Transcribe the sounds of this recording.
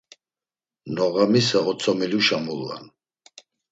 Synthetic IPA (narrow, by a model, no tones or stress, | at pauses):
nɔɣamisaɔt̪t͡sʰɔmiluʃamulːa̰n